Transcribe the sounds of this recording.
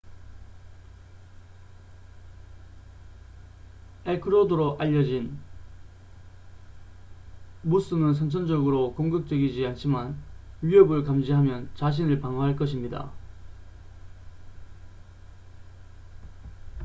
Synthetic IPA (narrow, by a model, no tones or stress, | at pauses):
ekʰɯɾodoɾoʔaʎːʌd͡ʑin | mus͈ɯmɯns̬ʰʌnt͡ɕʰʌnd͡ʑʌɡɯɾokoŋɡɯk̚t͈we̞ɡid͡ʑiant͡ɕʰimanɥiʌbɯɭkamd͡ʑiɦamjʌnt͡ɕaɕ̬ʰinɯɭpaŋoɦaɭk͈ʌɕʰimɲida̰